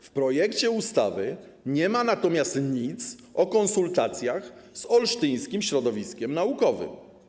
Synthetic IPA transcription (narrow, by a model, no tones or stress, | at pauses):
fpɾɔjɛkt͡ɕɛust̪a̰vɘ | ɲɛmanat̪ɔmʲjast̪ɲit̪s | ɔkɔnsult̪at̪sʲjaxzɔlʂt̪ɘj̃skʲimɕɾɔd̪ɔvʲiskʲɛmnaukɔvɘ̰m